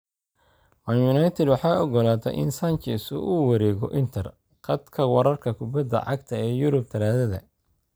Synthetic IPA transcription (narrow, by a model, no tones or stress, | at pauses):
manjʊnajt̪ʰɛd̪wɑħɑːɔɡɔlaːt̪ʰɛ̰ʔɪ̰nsant͡ʃɛsʊ̰ʔuːwɑɾɛːɣɔ̰ʔɪnt̪ʰɐr | qɐd̪kʰɐwɑɾɐrkʰɐkʰʊbɐd̪ɐ̰ʕɑɡt̪ʰɐɛːjʊɾʊb̚t̪ʰɐlaːðɐðɐ̰